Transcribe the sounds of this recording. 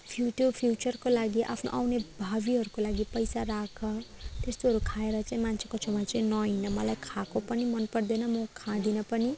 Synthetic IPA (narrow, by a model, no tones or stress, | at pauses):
pʰjuʈopʰjut͡sʌrkolaɡiʔa̰pʰno̰ʔawnebʱabiɦʌɾukolaɡipʌjsarakʰʌt̪est̪oɦʌɾukʰaeɾʌt͡saĩmansʰekot͡sʰʌmat͡saĩnʌɦinʌmʌlajkʰakopʌnimʌnpʌrd̪enʌmʌkʰãd̪inʌpʌni